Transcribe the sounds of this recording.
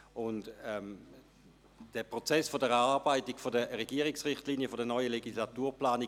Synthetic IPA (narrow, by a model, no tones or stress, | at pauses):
ʊndɛm | d̥ɛpʁot͡sɛsfodəʁɛʁaːʁbaɪtikfodəʁeɡiəʁiksʁɪχtliːnijəfodənɔʏəleɡislatuːɐplaːni